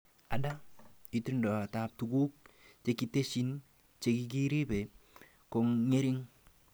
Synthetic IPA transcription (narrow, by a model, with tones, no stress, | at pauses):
a˨da˦i˦tu˦ndɔ˨a˨ta˨p̚tuɡu˦k̚ | t͡ʃe˨ki˦te˦si˦n | t͡ʃe˨ki˦k̬i˦ɾi˦pe˨ | ko˨ŋːe˦ɾi˦ŋ